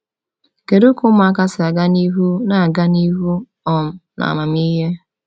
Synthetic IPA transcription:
ke˨ɾu˦kʊ˦m˦a˨ka˦sɪ˨a˨ɡa˦ni˦ɦu˦na˨a˨ɡa˦ni˦ɦu˦ | ɔ˨m̩˨na̰˨ma˨m˦i˦ɦe˦

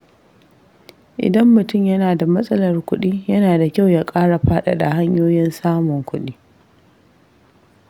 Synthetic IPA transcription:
ʔɪ̰˨dɐ˦mːʊ˨tʊ˦˨mjɐ˦naː˨da˨mɐ˦sʼɐ˦lɐ˨rkʷʊ˦ɗiː˦jɐ˦naː˨da˨kʲa˦˨wjaː˦kʼaː˦ɽa˨ɸaː˦ɗa̰˨da˨ha˦ɲjoː˦jɪ˦nsaː˦mʊ˨ŋkʷʊ˦ɗiː˦

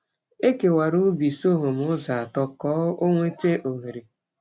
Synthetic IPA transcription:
e˦ke˨wa˨ɾu˦bi˨so˦ɦo˨m˦ʊ˦za˨a˨tɔ˨kɔː˦o˦ŋʷe˦te˦ʔo˨ɦe˨ɾe˨

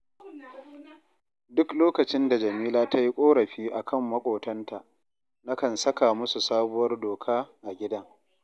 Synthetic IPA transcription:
dʊ˦kloː˦kɐ˨t͡ʃɪ˦nda˨d͡ʒɐ˨miː˦laː˦tʰa˦ji˦kʷʼoː˦ɽɐ˨ɸiː˦ʔa˨kʰɐ˦˨mːɐ˦kʷʼoː˨tɐ˦nta˨ʔ | na˦kɐ˨nsɐ˦ka˨mʊ˦su˨saː˦bʊ˦wɐ˦rdoː˨kʰaː˦ʔa˨ɡʲɪ˦dɐ˦ŋ

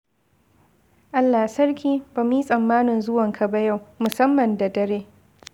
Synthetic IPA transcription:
ʔa˦lːaː˨sɐ˦rkʲiː˦ba˨mi˦sʼɐ˨mːaː˦nɪ˨nzʊ˦wɐ˨ŋkʰa˨ba˦ja˦˨wmʊ˨sɐ˦mːɐ˨nda˨dɐ˨ɾeː˦

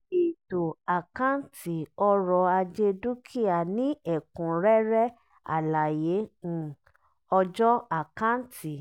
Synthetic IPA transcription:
i˨to˨a˨kã˦n˦ti˨ɔ˧ɾɔ˧a˧d͡ʒe˧du˦kʰi˦a˨nĩ˨˦ɛ˦˨kũ˨ɾɛ˦ɾɛ˦ | a̰˨la˨jẽ˨˦˨ | ɔ˧d͡ʒɔ˦a˨kã˦n̩˦tʰi˨

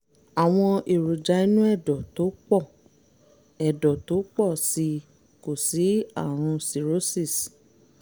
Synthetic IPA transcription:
a˨w̃ɔ̃˧ʔe˨ɾu˨d͡ʒa˨˧i˧nũ˦ɛ˦˨dɔ˨to˨˦k͡pɔ˦˨ | ɛ˨dɔ˨to˨˦k͡pɔ˦˨si˧ | ko˨si˨˦a˦˨ɾ̃ũ˧si˨ɾo˨˦si˦˨s

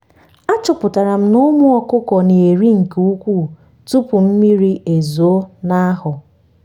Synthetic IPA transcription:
a˦t͡ʃʊ˨pʊ˨ta˨ɾa˨m̩˦nʊ˦mʊ˦ɔ˦kʊ˦kɔ˨ne˨e˨ɾi˦ŋ̩˨ke˨u˦kʷu˦˨ | tu˦pʊ˨m̩˦mi˦ɾi˦ʔe˨zo˨˦na˦a˦ɦʊ˨

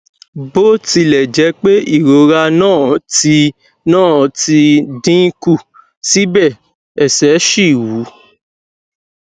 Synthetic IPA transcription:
bo˦ti˧lɛ˨d͡ʒɛ˨˦k͡pe˦i˦˨ɾo˨˦ɾa˧nãː˦˨ti˧ | nãː˦˨ti˧dĩ˦ku˦˨ | si˨˦bɛ˦˨ | ɛ˨sɛ˨˦ʃi˦˨wu˨˦

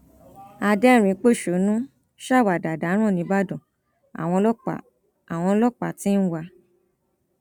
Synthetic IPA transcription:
a˧dɛ˦˨ɾ̃ĩ˧k͡po˦˨ʃo˨˦nũ˦ | ʃa˦˨wa˨da˨da˨˦ɾ̃ɔ̃˦˨nĩ˧ba˦dɔ̃˨ | a̰˨w̃ɔ̃˧lɔ̰˦˨ | a˨w̃ɔ̃˧˦lɔ˦k͡pa˨ti˦n̩˦wa˧

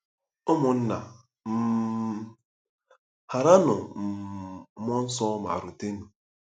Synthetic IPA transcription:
ʊ˦mʊ˨n̩˦na˨ | m̩˦ | ha˨ɾa˦nʊ˨m̩˨˦mɔ˦n̩˦sɔ˦ma̰˨ɾʊ˨te˦nu˨

